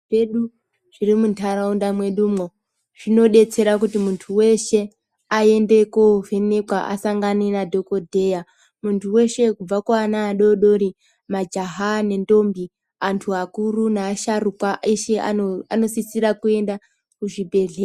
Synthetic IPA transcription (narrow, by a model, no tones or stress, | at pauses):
eɗu | ʐ̥irimuntʰaɾaundamwe̞ɗuːmo | ʐ̥ino̞ɗe̞t͡se̞ɾak̬utimuntʰuwe̞ʃe̞ | ae̞nde̞kove̞nekwaʔa̰saŋɡanenadʱo̞ko̞dʱe̞ja | muntʰuwe̞ʃe̞kub͡vakwanaːɗoɗo̞ɾi | mad͡ʒaɦane̞ndo̞mbi | antʰuakurunaːʃarukwaeʃea̰ano̞sisiɾakue̞nda | kuʐibʱe̞ɮe